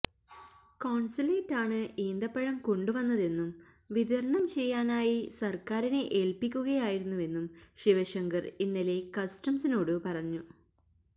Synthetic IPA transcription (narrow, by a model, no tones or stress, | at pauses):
koːɳsileːʈːaːɳɨʔeːnd̪ɐpːɐɻɐmko̞ɳɖuʋɐnːɐðe̞nːum | ʋid̪ʱɐɾɐɳɐmt͡ɕe̞jːaːnaːjisɐrkaːɾineʔeːlpikʲːuɣɐjaːjiɾunːue̞nːumɕiʋɐɕɐŋɡɐrinːile̞kɐstɐmsino̞ːɽɨpɐrɐɲːu